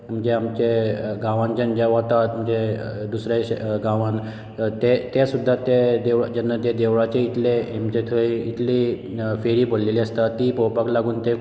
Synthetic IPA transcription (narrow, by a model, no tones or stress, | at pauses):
m̤əd͡ʑeamt͡ɕeɡãʋãnd͡ʑənd͡ʑaʋat̪at̪m̤əd͡ʑed̪usɾjaɕɡãʋãn | t̪et̪esud̪ʱːat̪ed̪eʋɭad͡ʑənːat̪ed̪eʋɭat͡ɕeit̪leemt͡ɕet̪ʰəiit̪li | feɾiːbʱolleliəst̪at̪ipopaklaɡuːnt̪e